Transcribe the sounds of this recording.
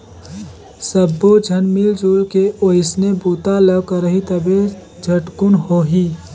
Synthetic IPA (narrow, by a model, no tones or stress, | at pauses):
səbːod͡ʒʱənmild͡ʒoːlkeʔoɪsnebuːt̪aləbkəɾəɦit̪əbe | d͡ʒʱəʈkʊnɦoɦiː